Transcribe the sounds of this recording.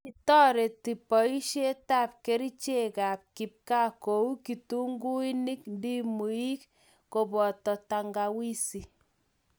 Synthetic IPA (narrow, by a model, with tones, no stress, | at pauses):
i˨tɔ˦ɾe˨ti˨pɔ˨i˦ʃe˦ta˦p̚ke˦ɾi˦t͡ʃe˦ka˨p̚ki˨p̚ka˦ko˨u˦ki˨tu˦ŋɡu˦i˦ni˦kndi˦mu˨i˦k | ko˨bɔ˨tɔ˨ta˨ŋɡa˨wi˦si˨